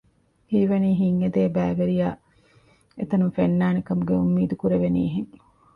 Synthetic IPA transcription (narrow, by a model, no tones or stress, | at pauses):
hiːʋɐniːɦiŋːed̪eːbæːʋeɾijaː | et̪ɐnumfenːaːnekɐmuɡeumːiːd̪ukuɾeʋenḭːɦeŋ